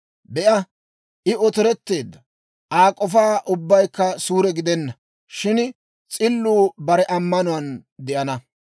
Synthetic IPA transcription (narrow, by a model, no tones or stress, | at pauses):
bɛʔɐ | ʔɪʔɔt̪ɪɾɛt̪ːe̞ːd̪ːɐ | ʔaːkʼɔfaːʔʊbːɐjkːɐsuːɾɛɡɪd̪ɛnːɐ | ʃɪn | t͡sʼɪlːuːbɐɾɛʔɐmːɐnʊwɐnd̪ɛʔɐnɐ